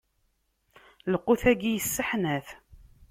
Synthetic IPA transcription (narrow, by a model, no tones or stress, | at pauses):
ləqːuθæɡijəsːəħnæθ